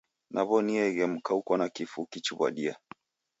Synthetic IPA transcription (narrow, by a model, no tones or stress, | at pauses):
nʔaβɔniɛɣɛm̩kaukɔnakifukit͡ʃuβa̰ɗia